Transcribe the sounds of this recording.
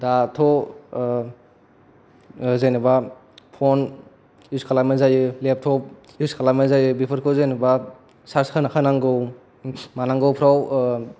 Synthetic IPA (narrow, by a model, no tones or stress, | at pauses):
datʰɔ | zajnɯba | pʰɔn | juskʰalamezajɯlep̚tʰɔp̚ | juskʰalamezajɯbipʰɯɾkʰozajnɯba | saɾskʰanakʰanaŋɡɯw | manaŋɡɯwpʰɾaw